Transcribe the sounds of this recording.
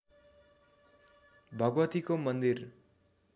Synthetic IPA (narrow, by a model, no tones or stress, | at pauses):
bʱʌɡʋʌt̪ikomʌnd̪ir